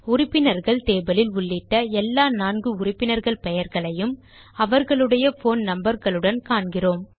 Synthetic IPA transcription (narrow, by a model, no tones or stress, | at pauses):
ʊrɪpːɪnɐɾɣɐɭt̪eːbɐlɪlʊɭːɪʈːɐɛlːaːnaːnɡɯʊrɪpːɪnɐɾɣɐɭpɛjɐɾɣɐɭɐjɯm | ɐʋɐɾɣɐɭɯɽɐjɐfoːnnɐmbɐɾɣɐɭɯɽɐnkaːɳɡɪroːm